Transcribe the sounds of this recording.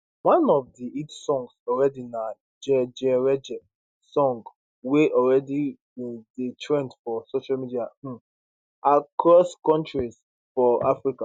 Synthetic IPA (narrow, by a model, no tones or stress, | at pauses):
wãnɔvdiitsɔ̃ŋɡsɔlɹɛdinã | d͡ʒɛd͡ʒɛɹɛd͡ʒɛ | sɔ̃ŋɡ | weʔɔlɹɛdi | detʰɹɛ̃ntfɔsoʃalmidia | ʔakɹɔskɔ̃ntɹiz̥ | fɔa̰fɹika